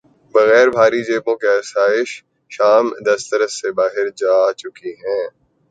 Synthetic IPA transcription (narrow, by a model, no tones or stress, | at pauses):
bɐɣɛːɾbʱaːɾid͡ʒeːpõkeɐsaːɪʃ | ʃaːmd̪ɐst̪ɐɾəsebaːɦɪɾd͡ʒaːt͡ʃʊkiɦɛ̃ː